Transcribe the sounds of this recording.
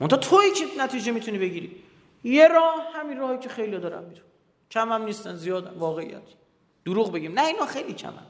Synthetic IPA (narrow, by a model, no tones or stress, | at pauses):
mont̪ʰɒhːt̪ʰoiːcʰenæt̪ʰiːd͡ʒe̞miːt̪ʰuniːbeɟiːɾḭː | jeɾɒːhhæminrɒːhicʰexejlijɒːd̪ɒːɾæ̰mːid̪u̥næ | cʰæmæmniːst̪ænzijɒːd̪æmvɒːɣeḭjæ̰t̪ʰ | d̪̥uɾuːɣbe̞ɟiːmnæinɒːxejlicʰæ̰mæ̰m